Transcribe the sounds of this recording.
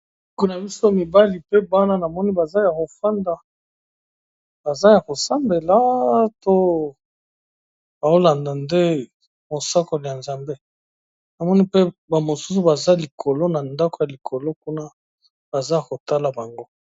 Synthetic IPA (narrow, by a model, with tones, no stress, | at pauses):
ku˦na˨bi˦so˦mi˨ba˦li˨pe˦ba˦na˦na˨mɔ˦ni˦ba˨za˦ja˨ko˨fa˦nda˨ | ba˨za˦ja˨ko˨sa˦mbe˨la˨˦to˦ | ba˨o˦la˨nda˨nde˦ | mo˨sa˦ko˨li˨ja˨nza˨mbe˦ | na˨mɔ˦ni˦pe˦ba˨mo˨su̥˦su˨ba˨za˦li˨kʰo˨lo˦na˨nda˦ko˨ja˨li˨kʰo˨lo˦ku˦na˦ | b̥a˨za˦ja˨ko˨ta˦la˨ba˨ŋɡo˦